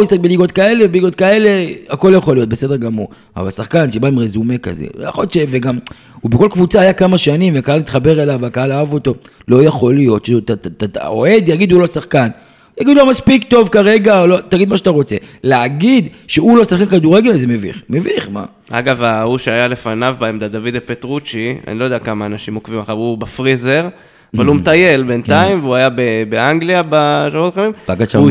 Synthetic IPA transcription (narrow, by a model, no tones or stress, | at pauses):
oisʁakbeliɡo̞t̪̚kae̞levbliɡo̞t̪̚kae̞le̞ako̞ljaχolijo̞t̪̚besede̞ʁɡamuʁ | a̰va̰lsaχkanʃebaimʁezume̞ka̰zḛoja̰χoljott͡ʃʃeveɡam | ubeko̞lkvut͡saːjakamaʃanimveakaalmit̪χabe̞ʁelavakaalaavo̞to̞ | lo̞jaχo̞lijo̞t̪ʃet̪aat̪ao̰e̞d̪jaɡid̪ulosaχkan | jaɡid̪ulomaspikt̪o̞vkaʁe̞ɡaolot̪aɡid̪maʃeat̪aʁo̞t͡se̞leaɡid̪ʃeulosaχkankad̪uʁeɡelzemevḭχmeviχma̰ | a̰ɡavauʃeajale̞fanavbaemd̪ad̪avid̪epet̪ʁut͡ʃia̰nilojdeakamaːnaʃimokvimaʃavubafʁize̞ʁ | avalumt̪aje̞lbe̞nt̪aimvuajabebeaŋɡliabaʃaot̪χamimb̥aɡaʃa